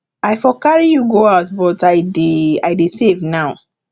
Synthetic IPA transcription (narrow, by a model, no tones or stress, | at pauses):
aɪfɔkaɹijuɡoaʊtbɔtaɪdeaɪdesevnaʊ